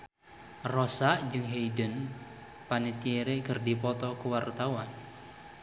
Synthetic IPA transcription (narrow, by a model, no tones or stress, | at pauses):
rɔsaʔd͡ʒɨŋɦejdən | panet̪ieɾekɨrdipɔt̪ɔkuwart̪awan